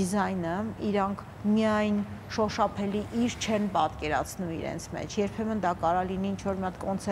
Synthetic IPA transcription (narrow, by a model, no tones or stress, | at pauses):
izɑjnəiɾɑŋkʰ | miɑjnʃɔʃɑpʰɛliʔiɾt͡ʃʰɛnpɑt̪kɛɾɑ̰t͡sʰnumḭɾɛ̰nt͡sʰmɛ̰t͡ʃʰjɛɾpʰɛmənd̪ɑkɑɾɑliniːnt͡ʃʰvɔɾmijɑt̪kɔnt͡sʰɛ